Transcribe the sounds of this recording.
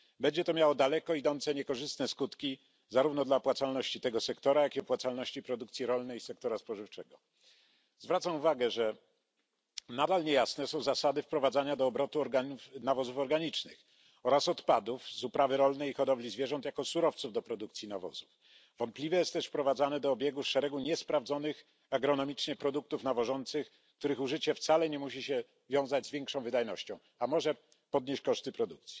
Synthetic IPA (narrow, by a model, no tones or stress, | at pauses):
bɛɲd͡ʑɛt̪ɔmʲjawɔd̪alɛkɔid̪ɔnt̪sɛɲɛkɔʐɘst̪nɛskut̪kʲi | zaɾuvnɔd̪lapwat̪salnɔɕt͡ɕit̪ɛɡɔsɛkt̪ɔɾajakʲiɔpwat̪salnɔɕt͡ɕipɾɔd̪uk̚t̪sʲjiɾɔlnɛjisɛk̚t̪ɔɾaspɔʐɘft͡ʂɛɡɔ | zvɾat̪samuvaɡɛʐɛ | nad̪alɲejasnɛsɔ̃w̃zasad̪ɘfpɾɔvad̪zaɲad̪ɔːbɾɔt̪uɔɾɡaufnavɔzufɔɾɡaɲit͡ʂnɘ̰x | ɔɾasɔt̪pad̪ufzupɾavɘɾɔlnɛixɔd̪ɔblʲizvjɛʐɔ̃nt̪jakɔsuɾɔft̪suvd̪ɔpɾɔd̪uk̚t̪sʲjinavɔ̰zuf | v̥ɔnt̪plʲivɛjɛst̪ːɛʂfpɾɔvad̪zanɛd̪ɔːbʲjeɛɡuʂɛɾɛɡuɲɛspɾavzɔnɘx | aɡɾɔnɔmʲit͡ʂɲɛpɾɔd̪uk̚t̪ufnavɔʐɔnt̪sɘx | kt̪uɾɘxuʐɘt͡ɕɛft̪salɛɲɛmuɕiɕɛ | vʲjɔ̃w̃zad͡ʑzvʲjɛŋkʂɔ̃w̃vɘd̪ajnɔɕt͡ɕɔ̃w̃ | amɔʐɛ | pɔd̪̚ɲeɕt͡ɕkɔʂt̪ɘpɾɔd̪ukt̪sʲji̥